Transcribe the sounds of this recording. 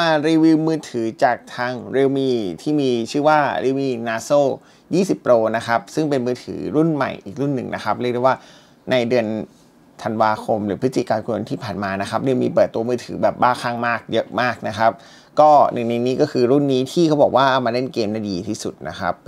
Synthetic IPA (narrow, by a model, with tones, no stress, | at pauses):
maː˧ɾiː˧wi˧˥wmɯː˧˥˩t̪ʰɯː˩˦t͡ɕaː˨˩k̚t̪ʰaː˧ŋɾe˧wmiː˧t̪ʰiː˥˩miː˧t͡ɕʰɯː˥˩waː˥˩ɾi˧wmiː˧˩naː˧soː˥˩ | jiː˥˩si˨˩pːɾoː˧na˦˥kʰa˦˥p̚sɯ˥˩ŋpe˧nmɯː˧t̪ʰɯ̰ː˩˦ɾu˥˩nma̰˨˩jʔḭː˨˩k̚ɾu˥˩nːɯ˨˩ŋnʔa˦˥kʰa˦˥p̚ɾi˥˩k̚dːwaː˥˩ | na˧jdɯ˧ən | t̪ʰa˧nwaː˧kʰo˧mɾɯː˩˦pʰɯ˦˥t̪ːi˨˩kaː˧nku˧o˧nt̪ʰiː˥˩pʰaː˨˩nmaː˧na˦˥kʰa˦˥p̚ɾe˧wmiː˧pɤː˨˩t̪ːu˧ɐmɯː˧˩t̪ʰɯ̰ː˩˦bɛː˨˩p̚baː˥˩kʰaː˥˩ŋmaː˥˩k̚jɤ˦˥ʔmaː˥˩k̚na˦˥kʰa˦˥p̚ | kɔː˥˩nʔɯ̰˨˩ŋna˧jniː˦˥kɔː˥˩kʰɯː˧ɾu˥˩nːiː˦˥t̪ʰiː˥˩kʰa˦˥wbɔː˨˩k̚waː˥˩ʔa˧wmaː˧le˦˥˩nkeː˧mna˧˥˩diː˧t̪ʰiː˥˩sṵ˨˩t̪̚na̰˦˥kʰa̰˦˥p̚